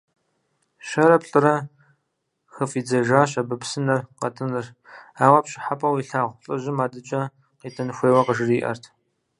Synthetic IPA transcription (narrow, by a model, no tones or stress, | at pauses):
ʃɐɾɐpɬʼɨɾɐ | xɐfiːd͡zɐʒaːɕɐbɨpsɨnɐrqɐtʰʼɨnɨr | aːwɐpɕʼɪ̥ħapʼɐwiːɬaːʁʷʊɬʼɨʑɪmaːdɨt͡ʃʼɐ | qiːtʰɐnɨxʷeːwɐqəʒɨriːʔɐ̰rtʰ